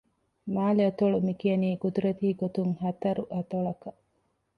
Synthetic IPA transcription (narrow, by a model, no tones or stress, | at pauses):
maːliɐt̪oɭumikiɐniːɡud̪uɾɐt̪iːɡot̪uŋhɐt̪ɐɾuʔɐt̪oɭɐkɐ